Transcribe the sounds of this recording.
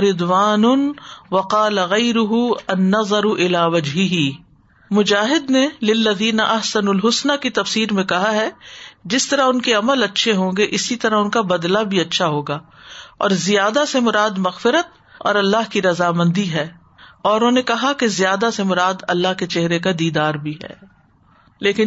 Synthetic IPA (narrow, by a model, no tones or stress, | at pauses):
ɾɪd̪waːnʊnwɐqɑːlɐɣɐɪɾʊɦuɐnːɐðˤɑɾʊʔɪlaːʋɐd͡ʒɦɪɦi | mʊd͡ʒaːɦɪd̪nelɪlːɐðiːnɐʔɐɦsɐnulɦʊsnakit̪ɐfsiːɾmẽkɐɦaɦɛd͡ʒɪst̪ɐɾaɦʊnkeɐməlɐtːʃʰeɦõːŋɡeʔɪsit̪ɐɾaʊnkabɐd̪labʱiɐtːʃʰaɦoːɡaːɔ̰ːɾzɪjaːd̪asemʊɾaːd̪mɐɣfɪɾət̪̚ | ɔ̰ːɾɐlːaɦkiɾɐzaːmɐ̃nd̪iɦɛː | ɔːɾʊnõːnekɐɦakezɪjaːd̪asemʊɾaːd̪ɐlːaɦket͡ʃɛɦɾek̬ad̪iːd̪aːɾbʱiɦɛ̰ː | leːkɪn